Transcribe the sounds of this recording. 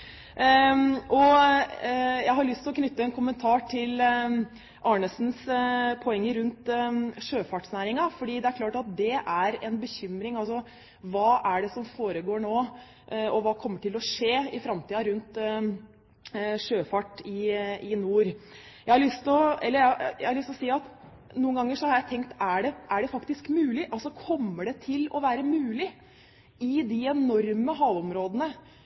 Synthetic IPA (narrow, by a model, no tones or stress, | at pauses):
ʔɔ | jæɪɦɑɾɭʏst̪ʰɪlɔkʰnʏt̪ːəɛnkʰʊmənt̪ʰɑːʈʰɪl | ʔɑɳəsnspʰɔɛŋːəɾʉnt̪ʂøːfɑʈsnæːɾɪŋɑfɔɖiːd̪ɛæɾkʰlɑːʈɑt̪̚d̪ɛʔæɾɛnbəçʏmɾɪŋɑlsɔ | ʋɑːʔæɖɛsɔmfoːɾəɡoːɳoː | ʔɔʋɑːkʰɔmːəʈʰɪlɔʂeːɪfɾɑmt̪ʰiːɑɾʉnt̪ | ʂøːfɑʈɪɪnuːɾ | jæɪhɑɾɭʏst̪ɔɛlːəjæjæ̰hɑɾlʏst̪ɔsiːɑt̪ | nuːənɡɑŋːəʂɔhɑɾjæɪt̪ʰɛŋkt̪æɖɛʔæɖɛfɑkt̪ɪskmʉːlɪʔɑlsɔkʰɔmːəɖɛt̪ʰɪlɔʋæːɾəmʉːlɪ | ɪd̪ɪɛnɔɾməɦɑːʋɔmɾoːd̪ənə